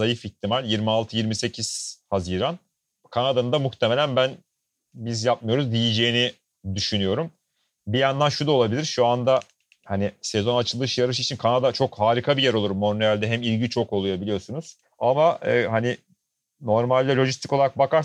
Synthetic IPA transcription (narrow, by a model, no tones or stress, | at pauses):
ajɯfiç̚t̪ʰimalʲjiɾmialˠt̪ʰɯjiɾmise̞cʰiz̥haziːɾan | kʰanad̪anɯnd̪amuxt̪ʰeme̞lʲænbæn | bizjap̚majo̞ɾuzd̪ijid͡ʒejini | d̪yʃynyjo̞ɾum | bijand̪anʃud̪aolˠabilʲiɾʃuand̪a | hanisɛzo̞nat͡ʃʰɯlˠɯʃjaɾɯʃ̬it͡ʃʰinkʰanad̪at͡ʃʰo̞khaːɾikʰabijæɾo̞lˠuɾmːo̞neælʲd̪ɛɦɛmilʲɟit͡ʃʰo̞ko̞lˠujabilʲijo̞sunuz̥ | amaɯːhani | no̞ɾmalʲd̪ɛlʲo̞ʒist̪ʰiko̞lˠaɾak̚bakʰaɾ